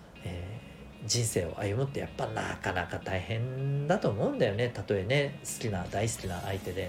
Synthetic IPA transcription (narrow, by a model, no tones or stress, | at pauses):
eː | d͡ʑĩɰ̃se̞ːo̞̰ʔa̰jɯ̟mɯ̟t̪ːe̞ja̰pːana̰kanakat̪aihẽ̞nd̪at̪o̞ːmo̞ɯ̟̃nd̪ajo̞ne̞t̪at̪o̞e̞ne̞sɨ̥kʲinad̪aisɨ̥kʲinaʔait̪e̞d̪e̞